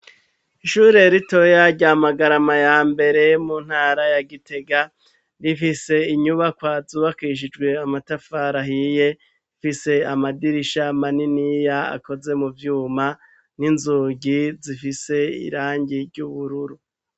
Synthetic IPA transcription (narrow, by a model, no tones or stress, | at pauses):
iʃuːɾe̞ɾito̞jaɾɟaːmaɡaɾamajaːmbe̞ɾe̞muːn̥haːɾajaɡite̞ɡa | ɾifise̞iɲuβakwaːzuːβakiʃ̬id͡ʒɡwe̞amatafaɾaɦije̞ | fise̞amadiɾiʃamaninijaa̰ko̞ze̞muvjuːma | ninzuːɟizifise̞ḭɾaːɲɟiɾɟuβuɾuɾu